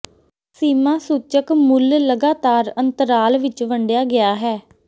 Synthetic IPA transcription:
siːmaːsuːt͡ʃəkmʊlləɡaːt̪aːɾənt̪əɾaːlʋɪt͡ʃʋəɳɖɪjaːɡɪaːɦɛː

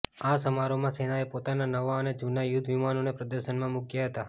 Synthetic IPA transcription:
asəmaɾomãsenaepot̪ananəʋaəned͡ʒunajʊd̪ʱʋimanonepɾəd̪əɾʃənmãmukjaɦət̪a

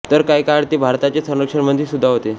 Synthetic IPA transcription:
t̪əɾkajkaɽt̪ebʱaɾt̪at͡ɕesə̃nəkʂəɳməd̪ʱːiːsud̪ʱːaɦot̪e

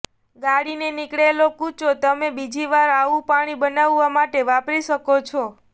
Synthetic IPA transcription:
ɡaɽinenikɽelokut͡ʃot̪əmebid͡ʒiʋaɾaʋũpaɽ̃ibənaʋːamaʈeʋapɾiʃəkot͡ʃʰɔ

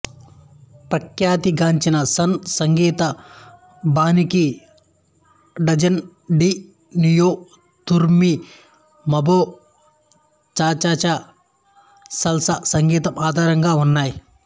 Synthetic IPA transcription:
pɾɐkjaːt̪iɡaːɲt͡ʃinɐsɐnsɐŋɡiːt̪ɐ | baːniki | ɖɐd͡ʒɐn | ɖi | nijoː | t̪uɾmi | mɐboː | t͡ʃaːt͡ʃaːt͡ʃa | sɐlsɐsɐŋɡiːt̪ɐmaːd̪ʱaːɾɐŋɡaːunːaːji

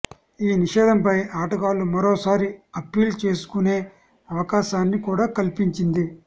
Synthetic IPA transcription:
iːniʂɛːd̪ɐmpɐjaːʈɐɡaːlumɐɾoːsaːɾiɐpiːlt͡ʃe̞ːsu̥kune̞ː | ɐʋɐkaːʃaːnːikuːɽaːkɐlpiɲt͡ʃind̪i

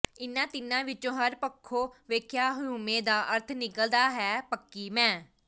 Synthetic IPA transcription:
ɪnːãːt̪ɪnãːʋɪt͡ʃõːɦəɾpəkʰːoːʋeːkʰjaːɦʊũːmẽːd̪aːʔəɾt̪ʰnɪkəld̪aːɦɛːpəkːiːmɛ̃ː

